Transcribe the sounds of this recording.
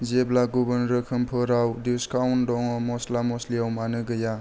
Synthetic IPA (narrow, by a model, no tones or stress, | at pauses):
zeblaɡubənɾɯkʰɯmpʰɯɾawdiskawndɔŋɔmɔslamɔsliawmanɯɡɯja